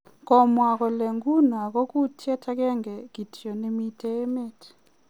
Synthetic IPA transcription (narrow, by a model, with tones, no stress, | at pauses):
kɔ˨mwa˨kɔ˨le˨ŋɡu˦na˨kɔ˦ku˦tʰjɛ˦tʰa˦kɛ˦ŋɡɛ˨ki˨tjɔ˨ne˦mi˦tʰe˦e˦me˦t